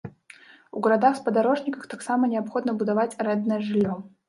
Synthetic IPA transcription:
uɡɐɾad̪axspɐd̪aɾɔʐnʲikəxt̪aksamɐnʲɛapxɔd̪nɐbud̪avat͡sʲɾɛd̪nəjɛʐɨlʲːɔ

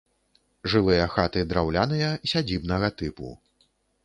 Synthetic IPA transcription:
ʐɨlˠɨjɐxat̪ɨd̪ɾawlʲanɨjɐsʲad͡zʲibnɐɣɐt̪ɨpṵ

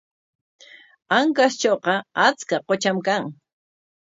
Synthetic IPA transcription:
aŋkast͡ʃoːqɑat͡skaqot͡ʃamkaŋ

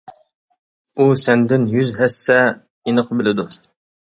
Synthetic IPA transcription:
usɛnd̪ɪnjyzɦɛsːɛ | inəqʰbɪlɪd̪u

